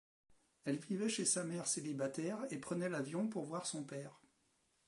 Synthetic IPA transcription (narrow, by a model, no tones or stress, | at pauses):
ɛlvivɛʃesamɛʁselibat̪ɛʁepχənɛlavjɔ̃puʁvwaʁsɔ̃pɛːʁ